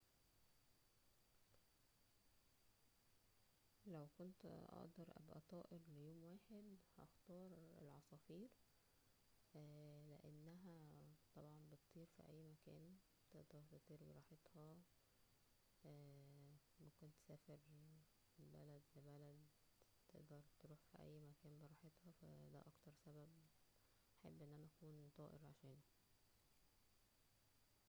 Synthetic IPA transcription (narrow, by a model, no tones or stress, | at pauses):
læwkont̪ʔɑ̰ʔd̪ɑɾˤʔæ̰bʔæ̰t̪ˤɑːʔeɾlejoːmwæːħed̪hʔɑ̰xt̪ɑːɾˤḛlʕɑsˤɑːfiːɾ | leʔḛnːæɦæt̪ˤɑbʕɑnbet̪t̪ˤiːɾfḭʔæ̰jːmækæːn | t̪eʔd̪ɑɾˤb̪et̪t̪ˤiːɾbeɾˤɑːħet̪hɑ | ʔæ | mækont̪sæːfeɾ | elbæ̰læd̪lebælæd̪ | t̪eʔd̪ɑɾˤt̪ɾuːħfiʔæ̰jːmækæːnbeɾˤɑːħet̪hɑfæ̰d̪æ̰ʔɑkt̪ɑɾˤsæbæb̚ | ħebːʔenːʔænæʔækuːnt̪ˤɑːʔḛɾʕa̰ʃæːnæ